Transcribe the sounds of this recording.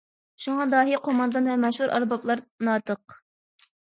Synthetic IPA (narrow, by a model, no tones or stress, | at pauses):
ʃuŋɑd̪ɑːɦiqʰomɑnd̪ɑnvɛmɛʃhuɾʔɑ̰ɾbɑplˠɑɾnɑːt̪əq